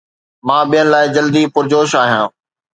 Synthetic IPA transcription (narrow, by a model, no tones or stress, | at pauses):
mãːɓijənɪ̆laːɪd͡ʑɐld̪ipʊɾd͡ʑoːʃaːɦijãː